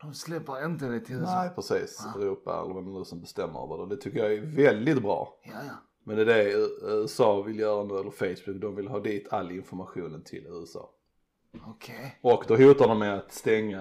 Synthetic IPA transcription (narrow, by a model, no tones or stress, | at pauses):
d̪̥ɔmslɛpːəɾɪnt̪əd̪ɛt̪ʰɪnɛɪpʰɾɛsiːsɛɾuːpa̰ɛ̰lːəɾvɛmɛnʉːsɔmbɛst̪ɛmːə̰ɾ̰və̰d̪ɛd̪ɛt̪ʰʏkːəjɑɛvɛld̪ɪt̪̚bɾɑ̰ː | mɛnd̪ɛd̪ɛʉ̟ːɛsɑːvɪljœːɾanʉːɛlːəɾfeɪsbʊk̚ːd̪ɔmvɪlɦɑːd̪iːt̪ʰalːɪnfɔɾmaɧuːnət̪ʰɪ̰lʉ̟ːɛsɑ̰ː | okʰeɔkd̪ɔɦuːt̪adɔmɛat̪st̪ɛŋːa